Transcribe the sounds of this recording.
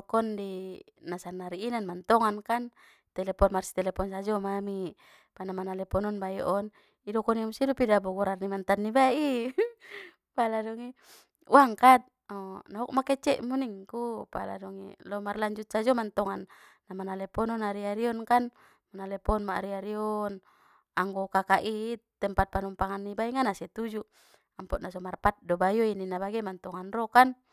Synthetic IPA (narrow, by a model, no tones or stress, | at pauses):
dɔkɔndinasanːaɾiːnanmant̪ɔŋankan | t̪ɛlɛpɔnmarsi̥t̪ɛlɛpɔnsad͡ʒɔmami | panamanalɛpɔnɔnbajɔ̰ʔɔn | idɔkɔniamusidupidabɔɡɔɾarnimant̪anːibaʔi | paladɔŋi | uaŋkat̪̚ | ɔnauk̚makɛt͡ʃɛʔmuniŋkupa̰la̰dɔŋḭlɔmarlaɲd͡ʒut̪̚sad͡ʒɔmant̪ɔŋanː | amanalɛpɔnɔnaɾiaɾiɔnkan | manalɛpɔnmaɾiaɾiɔn | aŋɡɔkakaʔit̪ɛmpat̪̚panumpaŋanːibaiŋanasɛt̪ud͡ʒu | ampɔʔ̪nasɔmarpat̪̚dɔbajɔininabaɡɛmant̪ɔŋanrɔkan